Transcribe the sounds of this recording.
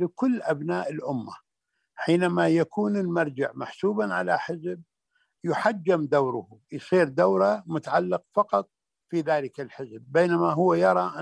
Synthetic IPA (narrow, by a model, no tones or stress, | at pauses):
lɪkʊlːʔabnaːʔɪlʔʊmːa̰ | ħiːnamajakʰuːnɪlmaɾˤd͡ʒɪ̰ʕmaħsuːbanʕa̰la̰ħɪzb̚ | jʊħad͡ʒːɪmd̪awɾʊhujsiːɾd̪awɾamʊt̪aʕalːɪqfɑqɑt̪̚ˤ | fiðaːlɪkalħɪzbbeːnamaɦʊwːajɑɾˤɑʔ